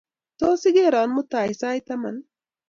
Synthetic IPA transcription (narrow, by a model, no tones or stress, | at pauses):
t̪oːsiɡeːɾɑːnmut̪aːisaːjt̪ɐmɐ̰n